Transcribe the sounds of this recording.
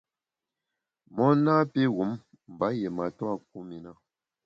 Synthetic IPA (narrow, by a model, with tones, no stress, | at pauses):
mɔ˦naː˦pi˦ɣu˨˦m | m̩˨ba˨˦je˨ma˨twa˦k̚u˦mi˨na˦